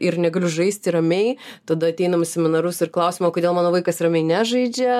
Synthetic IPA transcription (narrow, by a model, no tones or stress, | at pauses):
ɪɾnʲɛɡɐlʲʊʒɐɪsʲt̪ʲɪɾɐmʲɛɪt̪ɐd̪ɐɐt̪ʲɛɪnɐmʊsʲɛmʲɪnɐɾʊsɪrklˠɐʊsʲɪmoːkodʲeːlˠmɑːnoːʋɐɪkɐsrɐmʲɛɪnʲæːʒɐɪd͡ʒʲɛ